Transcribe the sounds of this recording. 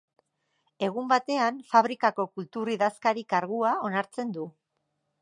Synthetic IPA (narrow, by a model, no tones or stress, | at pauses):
e̞ɣ̞umbat̪e̞anfaβ̞ɾikako̞kult̪uriðaskaɾikaɾɣuao̞naɾt͡se̞nd̪u